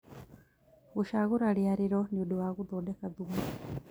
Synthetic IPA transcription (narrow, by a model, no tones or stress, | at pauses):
ɣuʃaɣuɾaljaɾiɾoniuduwaɣuðoːdekaðuma